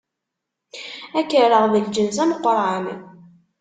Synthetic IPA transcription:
ækːəɾəʁðəld͡ʒənzæməqːɾˤʕan

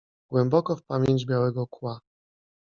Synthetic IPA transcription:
ɡ̥wɛmbɔkɔfpamʲjeɲd͡ʑbʲjawɛɡɔkwa

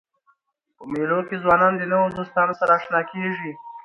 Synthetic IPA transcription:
pəmelokezwɑnɑnd̪ənawod̪ost̪ɑnosaɾaːʃnɑkeʐi

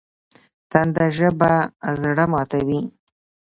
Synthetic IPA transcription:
t̪and̪aʒəbazɽamɑt̪awi

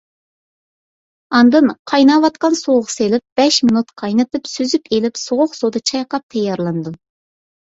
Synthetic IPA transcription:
ɑnd̪ɨnqʰɑjnɑwɑt̪qɑnsoʁʊʁselɪp̚b̥ɛʃminut̪qʰɑjnɨt̪ɨpsyzypʰelɪpsoʁʊχsod̪ɨt͡ʃʰɑjqɑp̚t̪ʰɛjːɑɾlˠɨnd̪u

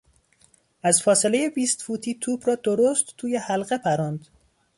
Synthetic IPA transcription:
ʔæzfɒːsele̞je̞biːst̪fuːt̪ʰiːt̪ʰuːbɾɒːd̪oɾost̪ːʰuːjehælɢe̞pʰæɾɒːnd̪̥

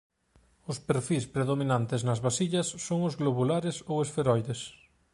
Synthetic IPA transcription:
ʊspeɾfispɾeðomĩnant̪ɪznɐzβasiʎɐsːoŋʊzɣloβulaɾesowesfeɾɔjðes

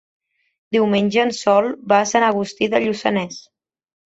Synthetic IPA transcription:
d̪iwmenʲʒəːnsɔlˠbaːsanəɣ̞ust̪iðəʎusə̰nɛs

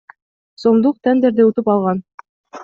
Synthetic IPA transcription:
somd̪uq̚t̪ʰænd̪eɾd̪eut̪upɑlˠʁɑn

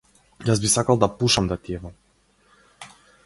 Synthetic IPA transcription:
jazbisakalˠd̪apuʃamd̪at̪iɛva

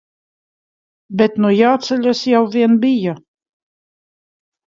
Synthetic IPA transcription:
bɛt̪nujaːt̪sɛlʲasjawvʲiɛnbija

